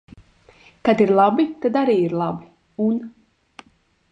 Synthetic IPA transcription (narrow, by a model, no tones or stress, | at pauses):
kad̪iɾlˠabit̪ad̪aɾiːiɾlˠabi | un